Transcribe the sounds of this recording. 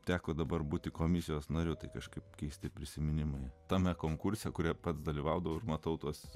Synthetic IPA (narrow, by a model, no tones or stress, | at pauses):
t̪ʲæːkod̪ɐbɐrbuːt̪ʲɪkoːmʲɪsʲɪjoːsnɐɾʲʊt̪ɐɪkɐʃkɐɪpkʲɛɪsʲt̪ʲɪpʲɾʲɪsʲɪmʲɪnʲɪmɐɪt̪ɐmʲɛkoːŋkʊrʲsʲɛkʊɾʲiɛpɐt̪sd̪ɐlʲiʋɐʊd̪ɐʋɐʊɪrmɐt̪ɐʊt̪uɔs